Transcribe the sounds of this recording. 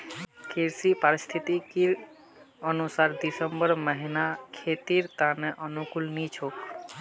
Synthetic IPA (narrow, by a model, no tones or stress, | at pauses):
kʰiɾsipaɾist̪ʰit̪ikiɾ | ənusaɾd̪isəmbəɾməɦinakʰet̪iɾt̪ãneʔənukulnit͡ʃʰok